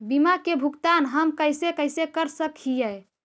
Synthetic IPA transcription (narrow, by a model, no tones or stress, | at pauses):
bimakebʱukt̪anɦəmkəjsekəjsekəɾsəkʰijɛ